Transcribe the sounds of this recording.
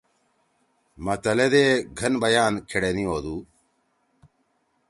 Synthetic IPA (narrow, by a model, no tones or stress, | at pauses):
mɐt̪ɐled̪eːɡʱɐnbɐjaːnkʰeɽenioːd̪uː